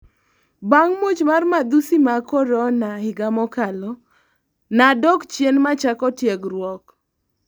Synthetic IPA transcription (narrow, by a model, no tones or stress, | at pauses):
baŋmot͡ʃmarmad̪usimakɔɾɔnahɪɡamɔkalɔ | nadɔkt͡ʃjenmat͡ʃakɔtjeɡrwɔk